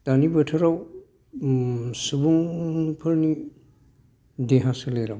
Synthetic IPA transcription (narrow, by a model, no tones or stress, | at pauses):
d̥anibɯtʰɯɾaw | subuŋpʰɯɾni | deɦasɯleɾaw